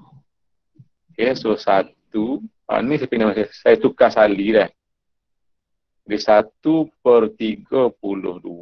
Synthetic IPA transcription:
hesosat̪u | a̰nis̬epinamasesait̪ukasaliɾɛh | disat̪upərt̪iɡəpulʊ̰hdu

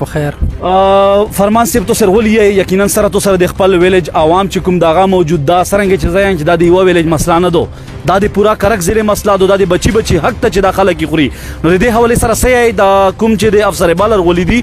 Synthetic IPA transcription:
pəxeɾ | faɾmɑːnseb̚t̪oseɾɣolijaejakinansɐɾat̪osaɾad̪expəlwɪled͡ʒawɑmt͡ʃekumd̪əaɣamawd͡ʒud̪̚ːasəɾɐ̃ŋɡet͡ʃezajajmt͡ʃed̪ad̪əjwawɪled͡ʒmɐslanad̪o | d̪ad̪epuɾakɐɾakzelemɐslad̪od̪ad̪ebat͡ʃibat͡ʃiɦak̚t̪at͡ʃed̪ɑxaləkjixɾi | nod̪əd̪eɦawalesɐɾasəjajed̪akumt͡ʃed̪eafsaɾebɑlaɾɣolid̪i

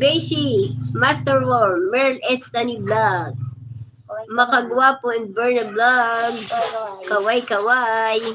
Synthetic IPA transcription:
bɛjsimast̪ɛɹwoɹmɛɹlɛst̪aniblaɡ̚ | mɐkɐɡwapoɛn̚bɛɹnɐblaɡ̚kɐwajkɐwaj

